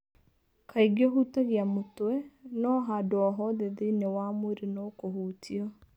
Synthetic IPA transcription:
kʰaiɡiɔɦutaɣiamotwɛnɔɦadɔɦɔðeðinewamwoɾinokoɦutʰiɔ

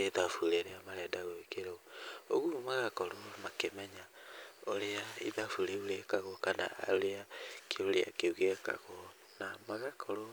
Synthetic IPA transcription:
eðafuɾeɾeamaɾɛdaɣoekeɾouoɣumaɣakɔɾɔmakemɛɲa | oɾeaiðafuɾeuɾekaɣɔkana̰a̰oɾeakeoɾea̰keuɣeka̰ɣɔ | namaɣakʰɔɾɔ

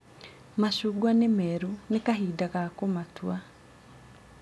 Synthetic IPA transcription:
maʃuːɡwanemɛɾunekaɦiːdaɣakomatwa

